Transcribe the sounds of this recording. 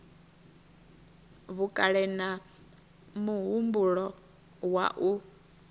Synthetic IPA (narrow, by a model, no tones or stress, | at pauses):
βukʼaɺɛna | muɦumbuɺɔ | wa̰ʔu